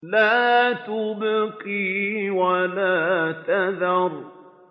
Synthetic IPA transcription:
laːt̪ʊbaqiwalaːt̪aðɑɾˤ

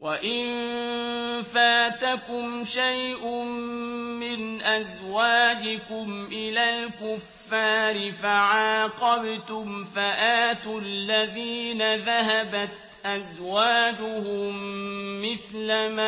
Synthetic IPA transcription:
waʔɪnn | faːt̪akʊmʃajʔʊː | ɪnʔazwaːd͡ʒɪkʊmʔɪlaːlkʊfːaːɾɪfaʕɑːqɑbt̪ʊmfaʔaːt̪ʊlːaðiːnaðaɦabat̪ | ʔazwaːd͡ʒʊhʊmːɪθlama

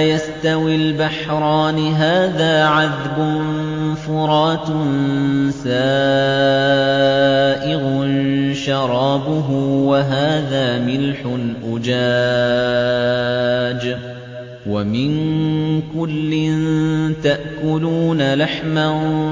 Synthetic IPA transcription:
jast̪awilbaħɾˤɑːnɪɦaːðaːʕaðbʊn | fʊɾˤɑːt̪nsaː | ʔɪɣʊnʃɑɾˤɑːbʊɦʊwaɦaːðaːmɪlħʊnʔʊd͡ʒaː | d͡ʒ | wamɪnkʊlːɪnt̪aʔkʊluːnalaħma

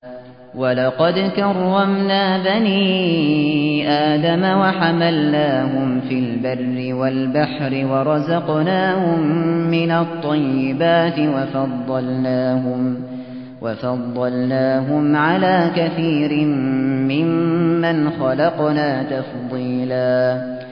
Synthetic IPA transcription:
wɑlɑqɑd̪kɑrˤːɑmnaːbaniː | ʔaːd̪amawaħamalnaːɦʊmfiːlbarːɪwalbaħɾɪwɑɾˤɑzɑqnaːhʊmːɪnat̪ˤːɑjːɪbaːt̪ɪwɑfɑd̪ˤːɑlnaːhʊ | wʔɑfɑd̪ˤːɑlnaːɦʊmʕalaːkaθiːɾɪmːɪmːanxɑlɑqnaːt̪ɑfd̪ˤiːlaː

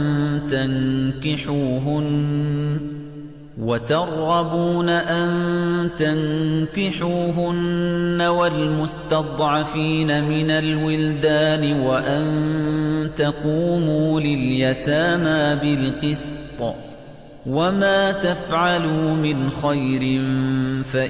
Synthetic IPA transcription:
nt̪aŋkɪħuːɦʊn | wat̪ɑɾˤːɑbuːnaʔant̪aŋkɪħuːɦʊnːawalmʊst̪ɑd̪ˤʕɑfiːnamɪnalwɪld̪aːnɪwaʔan | t̪aquːmuːlɪljat̪aːmaːbɪlqɨst̪t̪ˤ | wamaːt̪afʕaluːmɪnxajɾɪnfaʔ

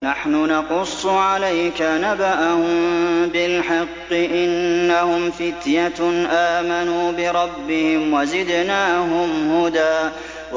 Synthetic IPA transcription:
naħnʊnɑqʊsˤːʕalajkanabaʔahʊmbɪlħɪqːɨʔɪnːahʊmfɪt̪jaʔaːmanuːbɪɾˤɑbːɪhɪmwazɪd̪naːɦʊmhʊd̪aː

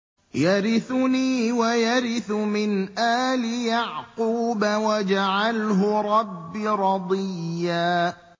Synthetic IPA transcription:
jaɾɪθʊniːwajaɾɪθʊmɪnʔaːlɪjaʕquːbawad͡ʒaʕalɦʊɾˤɑbːiɾˤɑd̪ˤɨjːaː

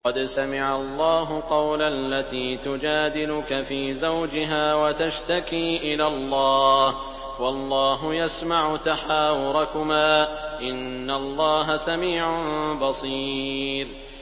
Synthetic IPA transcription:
qɑd̪samɪʕalˤːɑːɦʊqɑwlalːat̪iːt̪ʊd͡ʒaːd̪ɪlʊkafiːzawd͡ʒɪɦaːwat̪aʃt̪akiːʔɪlaːlˤːɑːh | wɑlˤːɑːɦʊjasmaʕʊt̪aħaːwʊɾˤɑkʊmaːʔɪnːalˤːɑːɦasamiːʕʊnbɑsˤiːɾ

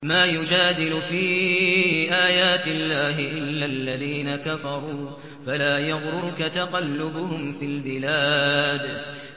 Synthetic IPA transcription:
maːjʊd͡ʒaːd̪ɪlʊfiː | ʔaːjaːt̪ɪlːaːɦɪʔɪlːalːaðiːnakafɑɾˤuː | falaːjaɣɾʊɾʊkat̪aqɑlːʊbʊhʊmfiːlbɪlaːd̪

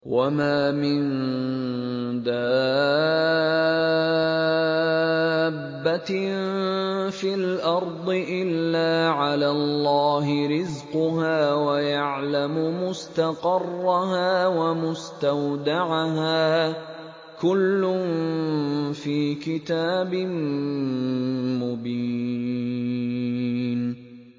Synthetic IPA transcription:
wamaːmɪn | d̪aː | bːat̪ | filʔɑɾˤd̪ˤɨʔɪlːaːʕalaːllːɑːhɪɾɪzqʊɦaːwajaʕlamʊmʊst̪ɑqɑrˤːɑɦaːwamʊst̪awd̪aʕaɦaː | kʊlːʊn | fiːkɪt̪aːbɪn | mʊbiː | n

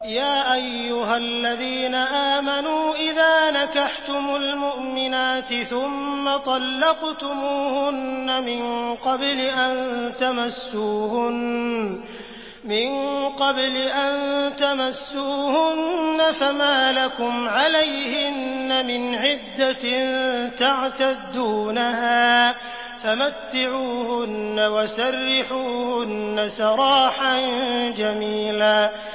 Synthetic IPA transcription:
jaːʔajːʊɦalːaðiːnaʔaːmanuːʔɪðaːnakaħt̪ʊmʊlmʊʔmɪnaːt̪ɪθʊmːat̪ˤɑlːɑqt̪ʊmuːhʊnːamɪnqɑblɪʔant̪amasːuːhʊn | mɪnqɑblɪʔannt̪amasːuːhʊnːafamaːlakʊmʕalajhɪnːamɪnʕɪd̪ːant̪aʕt̪ad̪ːuːnahaː | famat̪ːɪʕuːhʊnːawasarːɪħuːhʊnːasɑɾˤɑːħand͡ʒamiːlaː

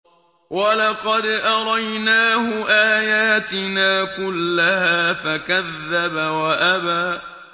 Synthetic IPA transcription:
walɑqɑd̪ʔɑɾˤɑjnaːhʊʔaːjaːt̪ɪnaːkʊlːaɦaːfakaðːabawaʔabaː

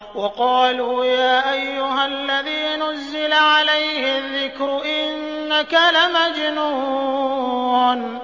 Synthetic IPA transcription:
wɑqɑːluːjaːʔajːʊɦalːaðiːnʊzːɪlaʕalajhɪðːɪkɾʊʔɪnː | akalamad͡ʒnuː | ʕn

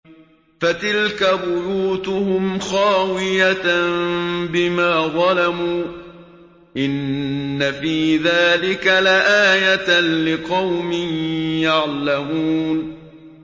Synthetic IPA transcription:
fat̪ɪlkabʊjuːt̪ʊhʊmxaːwɪja | bɪmaːðˤɑlamuː | ʔɪnːafiːðaːlɪkalaʔaːjalɪqɑwmɪnjaʕlamuːn

